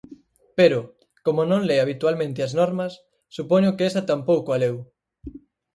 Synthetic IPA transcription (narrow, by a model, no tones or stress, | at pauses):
peɾʊ | komonõŋleaβit̪walmẽnt̪ɪɐznɔɾmɐsː | upɔɲʊkeesɐt̪ampowkoalew